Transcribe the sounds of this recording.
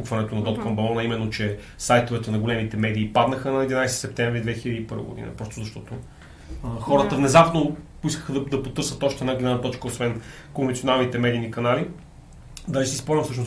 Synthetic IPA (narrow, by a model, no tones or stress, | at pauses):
ukvɐnɛt̪onɐd̪ɔt̪̚kʰɔmbɐlˠɔnɐimɛnːot͡ʃɛ | sajt̪ovɛt̪ənɐɡolɛmit̪ɛmɛd̪iːpad̪nəxənɐɛd̪inajst̪isɛp̚t̪ɛɱvɾid̪vɛxilʲəd̪ipɤɾvə̰ɡo̰d̪ḭnɐ̰pɾɔst̪ʊzɐʃt̪ɔt̪o | xɔɾət̪əvnɛzapnopoiskə̥xəd̪ɐd̪ɐpot̪ɤɾsət̪ɔʃt̪ɛd̪aɡlʲɛnanɐt̪ɔt͡ʃkəosvɛn | konvɛntsionalˠnit̪ɛmɛd̪inikɐnali | d̪aʒisispɔlˠnʲɐmfsɤʃ̬nos